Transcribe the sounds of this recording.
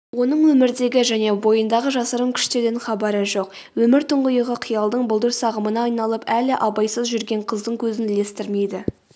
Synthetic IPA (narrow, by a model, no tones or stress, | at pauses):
wo̞nəɴwɵmɪɾd̪e̞ɡʲɪʒæne̞bo̞jənd̪ɑʁəʒɑsəɾəŋkʲʰʏ̥ʃt̪e̞ɾɪɪnχɑbɑɾəʒo̞q | wɵmɪɾt̪ʰʊɴʁʊjəʁəqʰijɑlˠd̪əɴbʊlˠd̪əɾsɑʁəmənɑːjnɑlˠəpælɪʔɑbɑjsəzʒʏɾɡʲe̞ɴqʰəzd̪əŋkʲʰɵzɪnle̞st̪ɪɾme̞jd̪ɪ